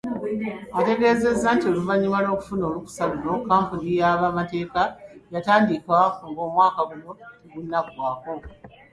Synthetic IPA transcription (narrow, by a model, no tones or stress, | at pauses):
ate̞ɡe̞ːzezːantio̞luvaɲimalo̞ːku̥funo̞ːluku̥saluno̞kaːmpunijaβamate̞ːkajataːndikwakuŋɡo̞ːmwaːkaβuno̞ɡunːakwaːko̞